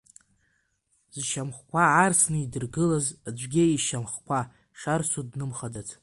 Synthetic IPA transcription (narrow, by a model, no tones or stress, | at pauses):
z̥ʃamχkʷʰaarsnɨidɨrɡɨlazad͡ʒʷɡʲeiʃamχkʷʰa | ʃarsudnɨmχadatʰʼ